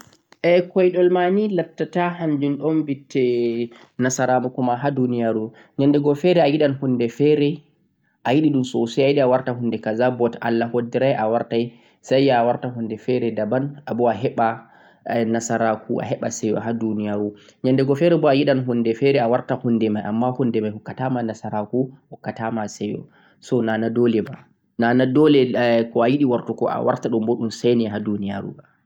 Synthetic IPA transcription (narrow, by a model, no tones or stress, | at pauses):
ʔɛkɔjɗɔlmanilatːatahand͡ʒunɗɔnbitʰːɛ | nasaɾamakumaɦadunijaɾu | ɲandɛɡɔfɛɾɛajiɗanhundɛfɛɾɛ | ʔajiɗiɗumsɔsajajiɗiawaɾtaɦundɛkazabɔta̰lːahodːiɾajʔawaɾtaj | sajːwaɾtaɦundɛfɛɾɛdabanabɔaɦɛɓa | nasaɾakuʔa̰ɦɛɓasɛjɔ̰ɦadunijaɾuɲandɛɡɔfɛɾɛbɔajiɗanɦundɛfɛɾɛawaɾtahundɛmajʔamːahundɛmajhɔkːatamanasaɾakuhɔkːatamasɛjɔ̰ | sɔnanadolɛma | nanadɔlɛkɔajiɗiwaɾtukɔ̰ʔa̰wa̰ɾtaɗumboɗunsajnɛɦadunijaɾṵa